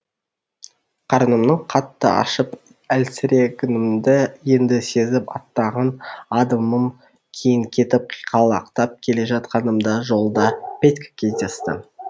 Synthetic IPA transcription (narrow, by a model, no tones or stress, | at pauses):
qʰɑɾənəmnəɴqʰɑt̪ːəɑ̰ʃəp | ælsɪɾe̞kʲɪnɪmd̪ɪje̞nd̪ɪse̞zɪpɑ̰t̪ːɑʁɑnɑd̪əməm | kʲʰejɪŋkʲʰe̞t̪ɪp̚qʰijqʰɑlˠɑ̰qt̪ɑp̚kʲʰe̞le̞ʒɑt̪qɑnəmd̪ɑʒo̞lˠd̪ɑpʲet̪ʲkʲkʲʰe̞zd̪e̞st̪ɪ̰